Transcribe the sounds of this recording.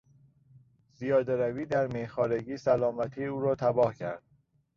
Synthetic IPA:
z̥ijɒːd̪eɾæviːd̪æɾmehxɒːɾeɟiːsælɒːmæt̪ʰiːuːɾɒːt̪ʰæbɒːhcʰæ̰ɾd̪̥

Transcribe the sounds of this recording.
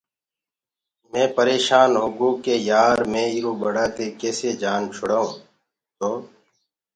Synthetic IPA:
mẽːpəɾeːʃaːnɦʊɡuːkeːjaːɾmẽːɪɾoːbəɽaːt̪eːkeːseːd͡ʒaːnt͡ʃʰʊɽaːũː | t̪oː

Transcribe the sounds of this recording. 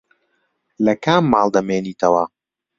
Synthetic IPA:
lɐkaːmːaːlˠd̪ɐmeːniːt̪ʰɐwɐ

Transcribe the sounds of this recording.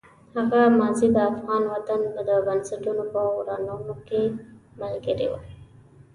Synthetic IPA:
haɣamɑzid̪əafɣɑnwat̪and̪əbənsɪʈunopəwɾɑnunokemalɡəɾḛwa̰

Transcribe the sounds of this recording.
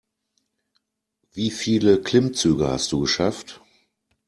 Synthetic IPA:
viːfiːləkʰlɪmt͡syːɡəha̰st̚d̥uːɡəʃaft

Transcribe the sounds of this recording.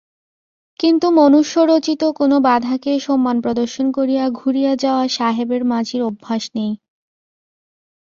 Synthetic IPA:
kint̪umonuʃːoɾot͡ɕit̪okonobad̪ʱakeʃɔmːanpɾod̪oɾʃonkoɾijaɡʱuɾijad͡ʑaoaʃaɦebeɾmad͡ʑʱiɾobʱːaʃnej

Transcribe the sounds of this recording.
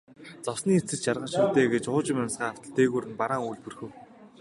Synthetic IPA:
t͡sɔwsniːet͡sɘ̆t͡ɕʃarʁə̆nʃʊːt̪eːɡet͡ɕʊːt͡ɕɪ̆mansɢaːaw̥t̪ə̆ɮt̪eːɣuːɾɘ̆npaɾaːŋujɮpurxɘ̆w

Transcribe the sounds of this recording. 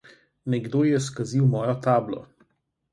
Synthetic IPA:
nɛɡd̪oːjɛskaziwmɔːjɔt̪aːblɔ̰

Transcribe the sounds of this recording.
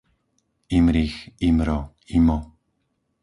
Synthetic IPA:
imɾiximɾɔ | imɔ

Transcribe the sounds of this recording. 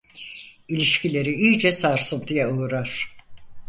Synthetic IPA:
ilʲiʃcilʲe̞ɾiiːd͡ʒɛsaɾsɯnt̪ʰijɛuuɾaɾ̥

